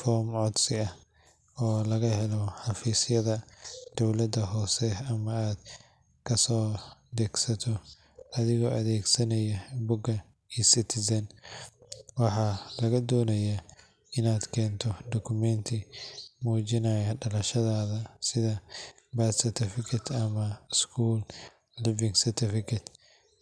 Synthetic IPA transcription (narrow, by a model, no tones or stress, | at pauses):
fɔːmʕɔd̪sɪɐh | ɔːlɐɣɐɦɛlɔħɑfiːsɪjɐðɐd̪̥ɔwlɐd̪ɐɦɔːsɛɐmɐaːd̪̥ | kʰɐsɔːd̪ɛɡsɐt̪ʰɔ | ʔɐðɪɣɔːʔɐðɛːɡsɐnɐjɐbʊɡɐ | iːsɪt̪ʰɪsɐn | wɑħɑlɐɣɐd̪ɔːnɐja | ɪnaːd̪kʰɛːnt̪ʰɔd̪ɔkʰʊmɛnt̪ʰɪmuːt͡ʃɪnaːjɐɖɐlɐʃɐðaːðɐsɪðɐ | baːt̪sɪt̪ʰɪfɪkʰɐt̪ʰɐmɐskʰuːlː | ɪvɪŋsɪrt̪ʰɪfɪkʰɐt̪